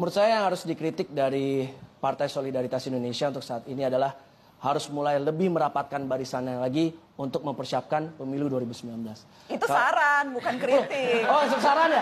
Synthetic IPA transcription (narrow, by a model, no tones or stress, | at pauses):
məɾʊt̪sajajaŋhaɾʊsdikɾit̪ɪk̚daɾipart̪ajsolidaɾit̪asindonesiaunt̪ʊksaːt̪iniadalah | haɾʊsmulajləbɪhməɾapat̪̚kanbaɾisanalaɡi | unt̪ʊk̚məmpərsiap̚kanpəmiluduaɾibusəmbilanbəlas | it̪ukaaɾanbukankɾit̪ɪosəsaɾana